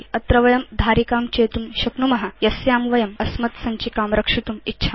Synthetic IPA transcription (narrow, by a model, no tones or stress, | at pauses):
ɐt̪ɾɐʋɐjɐmd̪ʱaːɾikaːmt͡ɕet̪umɕɐknumɐɦajɐsjaːmʋɐjɐmɐsmɐt̪sɐɲt͡ɕikaːmɾɐkʂit̪umitːɕʰa